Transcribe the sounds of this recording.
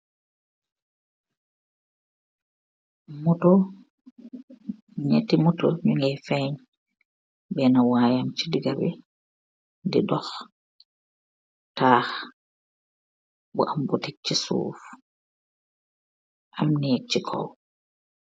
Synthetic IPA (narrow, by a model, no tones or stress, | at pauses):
mutɔ | ɲḛtimutɔɲuŋɡɛfɛɲ | bɛnawaːjamt͡ʃidiɡabɛ | didɔx | taːh | bɔʔambutik̚t͡ʃisṵːf | ʔamnɛt͡ʃːikʰɔ̰w